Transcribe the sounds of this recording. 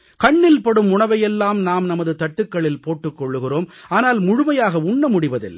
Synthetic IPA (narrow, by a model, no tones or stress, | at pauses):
kɐɳːɪlpɐɽɯmʊɳɐʋɐjɛlːaːmnaːmnɐmɐðɯt̪ɐʈːɯkːɐɭɪlpoːʈːɯkːɔɭːɯɣɪroːmaːnaːlmʊɻʊmɐjaːɣɐʊɳːɐmʊɽɪʋɐðɪ̰l